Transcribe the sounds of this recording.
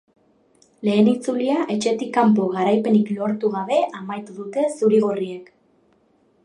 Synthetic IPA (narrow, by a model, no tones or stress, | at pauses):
le̞ːnit͡suliaʔe̞t͡ʃe̞t̪ikːampo̞ɣaɾajpe̞niklo̞ɾt̪uɣaβe̞amajt̪uðut̪e̞suɾiɣ̞oriek